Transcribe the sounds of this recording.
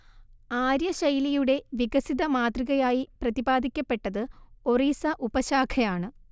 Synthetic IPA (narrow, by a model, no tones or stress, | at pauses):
aːɾjɐɕɐjlijuɽe̞ʋiɡɐsiðɐmaːt̪riɣɐjaːjiprɐðibaːd̪ʱikʲːɐpːe̞ʈːɐðɨoriːsɐʔubɐɕaːkʰɐjaːɳɨ